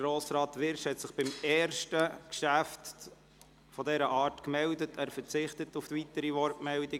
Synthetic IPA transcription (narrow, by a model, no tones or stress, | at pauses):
ɾɔːsɾɑːt̪ʋɪɾʃhɛt̪sɪχb̥ɪmɛːɾʃtəkʃæft | fɔdɛɾəʔɑːɾtkmɛldətʰæːɾfəɾt͡sɪχtətuft̪ʋitəɾiʋɔɾtmɛldi